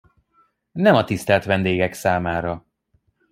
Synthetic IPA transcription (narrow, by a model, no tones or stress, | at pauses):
nɛmɒt̪ist̪ɛlt̪ʋɛnd̪eːɡɛksaːmaːɾɒ